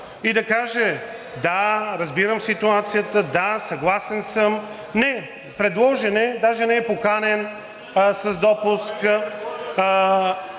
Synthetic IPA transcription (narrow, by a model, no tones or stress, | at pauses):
id̪ɐkaʒɛ | d̪aɾɐzbiɾəmsit̪uat̪sijət̪əd̪asɐɡlˠasɛnsəm | nɛ | pɾɛd̪lˠɔʒɛnɛd̪aʒɛnɛɛpokanɛn | sɐzd̪ɔpuskə